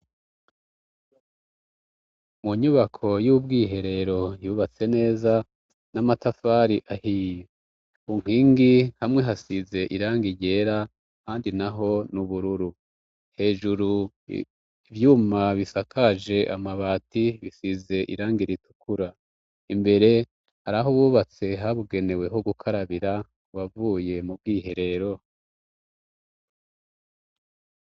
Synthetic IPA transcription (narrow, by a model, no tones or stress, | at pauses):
muɲuβakʰo̞juːb̚ɡiːɦe̞ɾe̞ɾo̞juːβat͡se̞ne̞ːza | namatafaːɾiʔahij | uŋ̥iːŋɡihamŋe̞ɦasize̞ʔiɾaːŋɡiɟe̞ːɾa | haːndinaɦo̞nuβuɾuɾu | he̞ːʒuɾu | vjuːmaβisakʰaʒe̞ʔamaβaːtiβisize̞ʔḭɾaːŋɡiɾitu̥kʰuɾa | imbe̞ɾe̞ | haɾaɦoβuːβat͡se̞ɦaβuɡe̞ne̞we̞ɦoɡukʰaɾaβiɾa | βavuːje̞mub̚ɡiːɦe̞ɾe̞ɾo̞